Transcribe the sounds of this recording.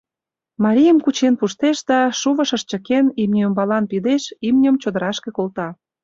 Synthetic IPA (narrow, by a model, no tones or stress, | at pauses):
mɑɾʲijəmkut͡ɕenpuʃt̪eʃd̪ɑʃuβəʃə̆ʃt͡ɕə̆kenimnʲiombɑlɑnpid̪eʃimnʲə̆mt͡ɕod̪əɾɑʃkekolt̪ɑ